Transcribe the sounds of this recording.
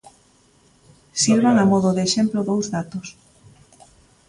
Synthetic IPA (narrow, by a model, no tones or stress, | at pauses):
siɾβaŋamɔðʊðeːʃemploðowzðat̪os